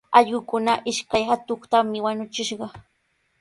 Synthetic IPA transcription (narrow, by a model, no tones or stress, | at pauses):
ɑʎɢʊkʊnaʔɪʃkajhat̪oχt̪amɪwaɲʊt͡ʃɪʃɢɑ